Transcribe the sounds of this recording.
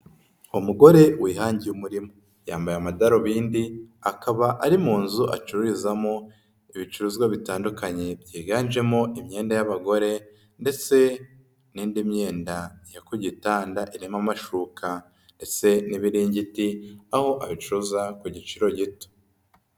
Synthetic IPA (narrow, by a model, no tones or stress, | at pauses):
umuɡo̞ɾe̞wiːhaːɲɟijumuɾimo | jaːmbajamadaɾoβiːndiakaβaʔaɾimuːnzuʔa̰t͡ʃuɾuɾizamo | iβit͡ʃuɾuzɡwaβitaːndukaɲe̞bɟiːɡaːnʒe̞mo̞ʔimɲe̞ːndajaβaɡo̞ɾe̞ | nde̞t͡se̞ | niːndimɲe̞ːndajakuɟitaːndaʔiɾimamaʃuːkʰa | nde̞t͡se̞niβiɾiːɲɟitiaho̞ʔaβit͡ʃuɾuzakuɟit͡ʃiɾo̞ɟito̥